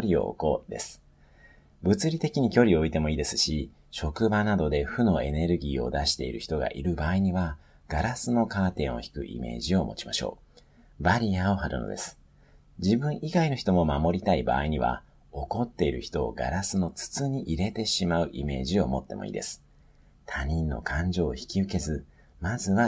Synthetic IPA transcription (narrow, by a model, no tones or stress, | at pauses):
ɾʲio̞̰kod̪e̞sɨ̥ | bɯ̟t͡sɨɾʲit̪e̞kʲiɲ̟ikʲo̞ɾʲioit̪e̞mo̞iːd̪e̞sɨ̥ɕi | ɕo̞kɯ̟banad̪o̞d̪e̞ɸɯ̟no̞e̞ne̞ɾɯ̟ɡʲiːo̞̰d̪aɕi̥t̪e̞ḭɾɯ̟çi̥t̪o̞ɡa̰ʔiɾɯ̟baːiɲ̟iβa | ɡ̥aɾasɨno̞kaːt̪ẽ̞ɰ̃o̞̰çi̥kɯ̟ʔḭme̞̰ːʑio̞mo̞̰t͡ɕimaɕo̞̰ː | baɾʲiao̞haɾɯ̟no̰d̪e̞sɨ̥ | d͡ʑibɯ̟̃ɰ̃ʔiɡaino̞çi̥t̪o̞mo̞mamo̞ɾʲit̪aiba̰ːiɲ̟iβa̰ | o̞ko̞t̪ːe̞iɾɯ̟çi̥t̪o̞ːɡa̰ɾasɨno̞t͡sɨ̥t͡sɨɲ̟iʔiɾe̞t̪e̞ɕimaɯ̟ʔime̞ːʑio̞mo̞t̪ːe̞̰mo̞̰ḭːd̪e̞̰sɨ̥ | t̪ʰaɲ̟ĩnːo̞̰kãɲ̟d͡ʑo̞ːçi̥kʲiɯ̟ke̞zɨ | mazɨβa